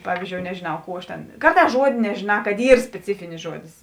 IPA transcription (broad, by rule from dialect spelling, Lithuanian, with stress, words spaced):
ˈpɑːʋʲiːzʲd͡ʒʲoːʊ nʲɛʒʲeːˈnɐʊ ˈkuː ɐʃ tʲeːn ˈkɐrˌtɑːs ˈʒuɔdʲeː nʲɛʒʲeːˈnɑː kɐt ˈiːr sʲpʲɛˈt͡sʲɪfʲɪnʲɪs ˈʒuɔdʲɪs